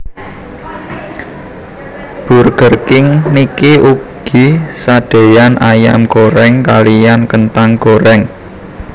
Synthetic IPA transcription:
b̥ṳrɡ̥ə̤rkɪŋnikiʔuɡ̥isaɖ̥e̤janaja̰mɡ̥oɾɛŋkalijankənt̪aŋɡoɾɛŋ

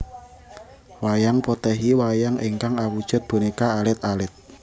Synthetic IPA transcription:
wajaŋpot̪ɛɦiwajaŋʔiŋkaŋawud̥ʒ̥ʊ̤t̪̚b̥o̤nikaːlɪt̪̚alɪt̪̚

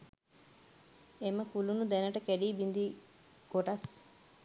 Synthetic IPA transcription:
eməkulunud̪ænəʈəkæɖiːbind̪i | ɡ̥oʈas

